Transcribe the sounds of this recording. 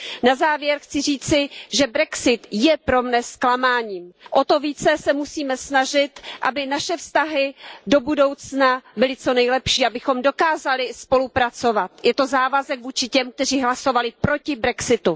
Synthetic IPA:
nazaːvjɛɾxt͡sɪriːt͡sɪʒɛbɾɛksɪt̪jɛpɾo̞mnɛsklamaːɲiːmʔot̪o̞viːt͡sɛsɛmusiːmɛsnaʒɪt̪ʔabɪnaʃɛfst̪aɦɪdo̞budo̞wt͡snabɪlɪt͡so̞nɛjlɛpʃiːʔabɪxo̞mdo̞kaːzalɪspo̞lupɾat͡so̞vat̪jɛt̪o̞zaːvazɛkvuːt͡ʃɪcɛmk̚t̪ɛr̝iːɦlaso̞valɪpɾo̞cɪbɾɛksɪt̪u

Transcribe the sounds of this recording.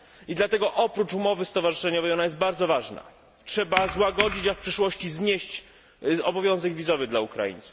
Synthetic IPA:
id̪lat̪ɛɡɔʔɔpɾut͡ʂumɔvɘst̪ɔvaʐɨʂɛɲɔvɛjɔnajɛst̪̚baɾd̪zɔvaʐna̰ | tʂɛbazwaɡɔd͡ʑit͡ɕafpʂɘʂwɔɕt͡ɕizɲeɕt͡ɕ | ɔbɔvjɔ̃w̃zɛɡvʲizɔvɘd̪laukɾa̰jḭnt̪su̥f

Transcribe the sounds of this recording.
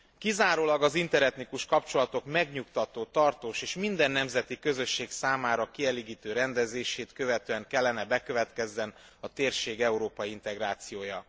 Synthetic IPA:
kizaːɾoːlɒɡɒzint̪ɛɾɛt̪nikuʃkɒpt͡ʃo̞lɒt̪o̞kmɛɡɲukt̪ɒt̪oːt̪ɒrt̪oːʃeːʃmind̪ɛnːɛmzɛt̪ikø̞zø̞ʃːeːksaːmaːɾɒkiɛleːɡiːt̪øːɾɛnd̪ɛzeːʃeːt̪kø̞vɛt̪øːɛŋkɛlːɛnɛbɛkø̞vɛt̪kɛzːɛn | ɒt̪eːrʃeːɡɛuɾoːpɒjiint̪ɛɡɾaːt̪sijoːjɒ

